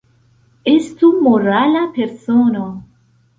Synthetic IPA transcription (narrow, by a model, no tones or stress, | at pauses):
est̪umoralapeɾsono